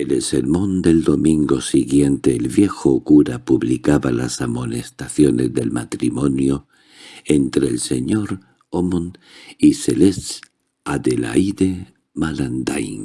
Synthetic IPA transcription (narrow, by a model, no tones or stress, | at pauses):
elelsḛɾmõ̞nd̪e̞ld̪o̞mĩŋɡo̞siɣje̞nt̪e̞ːlβje̞xokuɾapuβlikaβala̰samo̞nest̪aθjo̞ne̞zðe̞lmat̪ɾimo̞njo | ent̪ɾeːlse̞ɲo̞ɾ | omoniseles | aðela̰iðe | maland̪ajn